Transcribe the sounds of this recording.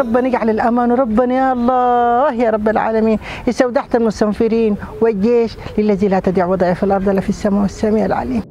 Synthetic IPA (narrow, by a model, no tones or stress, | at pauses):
ɾˤɑbːanɪɡʕalɪlʔamaːnwɾˤɑbːanajaʔɑlˤːɑːhjaːɾˤɑbːalʕa̰ːlamiːn | ʔɪsawd̪aħt̪almʊst̪amfɪɾiːnwɪɡeːʃlɪlːazilat̪ad̪iːʕwɑd̪ˤɑːjafilʔɑɾˤdˤalafisːamaːwɪsːamiːʕɪlʕa̰liːm